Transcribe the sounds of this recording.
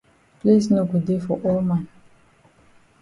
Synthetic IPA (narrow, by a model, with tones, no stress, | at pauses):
pli˦sno˦ɡu˨dde˦fɔ˨ʔɔ˦lmã˨n